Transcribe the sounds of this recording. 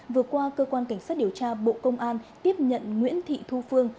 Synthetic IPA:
vɨ˨˩ət̚kwaː˧kəː˧kwaː˧nka˧˩ŋsaː˦˥t̚ɗi˧˩əwt͡ɕaː˧ɓo̰˧˨kə˧wŋ͡mʔaː˧nt̪i˦˥əp̚ɲə̰˧˨nŋwḭ˧˥ənt̪ʰḭ˧˨t̪ʰu˧fɨ˧əŋ

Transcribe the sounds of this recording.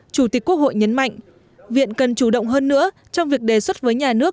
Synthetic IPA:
t͡ɕu˧˩t̪i˨˩k̟kːu˦˥ək̚ho̰˧˨jɲə˨˦nma̰˧˨jŋ̟ | vḭ˧˨ənkə˨˩nt͡ɕu˧˩ɗə̰˧˨wŋ͡mɦəː˧nːɨ̰˧˥ə | t͡ɕɔ˧wŋ͡mvi˨˩ək̚ɗe˨˩swə˦˥t̚vəː˨˦jɲaː˨˩nɨ˦˥ək̚

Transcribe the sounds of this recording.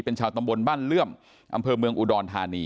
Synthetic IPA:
pe˧nt͡ɕʰaː˧wt̪a˧mbo˧nbaː˥˩nlɯ˥˩əm | ʔa̰˧mpʰɤː˧mɯ˧əŋʔuː˧dɔː˧nt̪ʰaː˧niː˧

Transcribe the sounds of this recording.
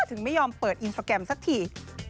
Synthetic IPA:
t̪ʰɯ˩˦ŋma˥˩jɔː˧mpɤː˨˩t̪̚ʔi˧nsʰaː˧kɾɛ˧msa˦˥k̚t̪ʰiː˧˩

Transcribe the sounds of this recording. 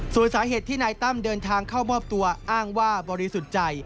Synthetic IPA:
su˨˩˦nsaː˩˦ɦeː˨˩t̪ʰːiː˥˩naː˧jt̪a˥˩mdɤː˧nt̪ʰaː˧ŋkʰa˥˩wmɔː˥˩p̚t̪u˧ɐʔaː˥˩ŋwaː˥˩bɔː˧ɾi˧su˨˩t̪̚t͡ɕa˧j

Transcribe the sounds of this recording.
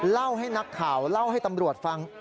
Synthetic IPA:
la˥˩wɦa˥˩jna˦˥kʰːaː˩˦wla˥˩wɦa˥˩jt̪a˧mɾu˨˩ət̪̚fa˧ŋ

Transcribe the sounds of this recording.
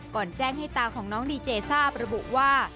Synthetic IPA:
kɔː˨˩nt͡ɕɛː˥˩ŋɦa˥˩t̪aː˧kʰɔː˩˦ŋnɔː˦˥ŋdiː˧t͡ɕeː˧saː˥˩p̚ɾa˧bu˨˩ʔwaː˥˩

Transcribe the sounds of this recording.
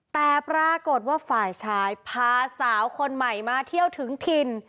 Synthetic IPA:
t̪ɛː˨˩pɾaː˧ko˨˩t̪̚waː˥˩faː˨˩jt͡ɕʰaː˧jpʰaː˧saː˩˦wkʰo˧nma˨˩jmaː˧t̪ʰi˥˩əwt̪ʰɯ˩˦ŋt̪ʰi˧n

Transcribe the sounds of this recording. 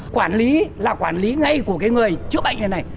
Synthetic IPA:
kwaː˧˩nli˨˦laː˨˩kwaː˧˩nli˨˦ŋa˧jku˧˩əkaː˨˦jŋɨ˨˩əjt͡ɕɨ˦˥əɓa̰˧˨ŋ˧ə˨˧˩na˨˩j

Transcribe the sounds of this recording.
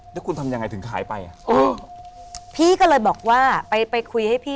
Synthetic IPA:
lɛ˦˥kʰu˧nt̪ʰa˧mja˧ŋːa˧jt̪ʰɯ˩˦ŋkʰa̰ː˩˦jpa˧jʔa˨˩ʔʔɤː˧˩ | pʰiː˥˩kɔː˥˩lɤː˧jbɔː˨˩k̚waː˥˩pa˧jpa˧jkʰu˧jha˥˩jpʰiː˥˩

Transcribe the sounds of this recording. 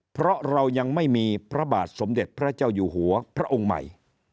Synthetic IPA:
pʰɾɔ˦˥ɾa˧wja˧ŋma˥˩jmiː˧pʰɾa˦˥ba̰ː˨˩t̪̚so˩˦mde˨˩t̪̚pʰɾa˦˥t͡ɕaː˥˩wjuː˨˩ɦu˩˦ɐpʰɾa˦˥ʔo˧ŋma̰˨˩j

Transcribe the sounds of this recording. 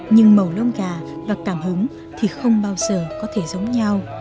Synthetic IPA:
ɲɨ˧ŋmə˨˩wlə˧wŋ͡mkaː˧˩vaː˨˩kaː˧˩mhɨ˨˦ŋ | t̪ʰi˨˩xə˧wŋ͡mɓaː˧wzəː˨˩kɔ˨˦t̪ʰe˧˩zə˨˦wŋ͡mɲa˧w

